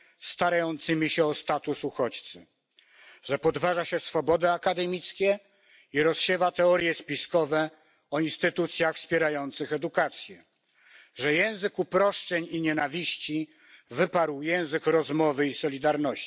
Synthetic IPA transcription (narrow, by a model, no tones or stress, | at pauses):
st̪aɾajɔnt̪sɘmʲiɕɛɔst̪at̪usuxɔt͡ɕt̪sɘ | ʐɛpɔd̪vaʐaɕɛsfɔbɔd̪ɛakad̪ɛmʲit̪skʲɛ | iɾɔsɕɛvat̪ɛɔɾjɛspʲiskɔvɛ | ɔinst̪ɘt̪ut̪sʲjaxfspʲjɛɾajɔnt̪sɘxɛd̪ukat̪sʲjɛ | ʐɛjɛ̃w̃zɘkupɾɔʂt͡ʂɛɲiɲɛnavʲiɕt͡ɕi | vɘpaɾwjɛ̃w̃zɘkɾɔzmɔvɘisɔlʲid̪aɾnɔɕi